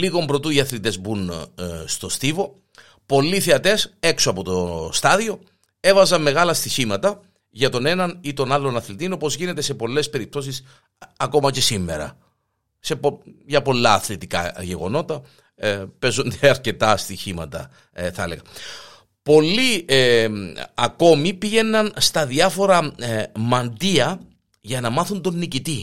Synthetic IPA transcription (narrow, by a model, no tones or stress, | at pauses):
liɣo̞mbɾo̞t̪uiɐθlit̪e̞zbunst̪o̞st̪ivo̞ | po̞lːiθeɐt̪e̞se̞ksoɐpo̞t̪o̞st̪ɐðio̞ | e̞vɐzɐmːe̞ɣɐlɐst̪içimɐt̪ɐ | ʝɐt̪o̞ne̞nɐnit̪o̞nɐlːo̞nɐθlit̪ino̞po̞zʝine̞t̪e̞se̞po̞lːe̞spe̞ɾip̚t̪o̞sis | ɐko̞mɐce̞simːe̞̰ɾɐ̰ | se̞poʝɐpo̞lːɐːθlit̪ikɐ̰ʝe̞ɣo̞̰no̞t̪ɐ | pe̞zund̪eɐɾce̞t̪ɐst̪içimɐt̪ɐ̰ | θɐele̞ɣɐ | po̞lːi | ɐko̞mipiʝe̞nːɐnst̪ɐðiɐfo̞ɾɐmɐnd̪iɐ | ʝɐnɐmɐθund̪o̞nːicit̪i